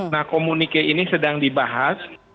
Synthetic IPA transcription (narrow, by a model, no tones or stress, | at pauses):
nahkomunikeʔinisədaŋdibaɦas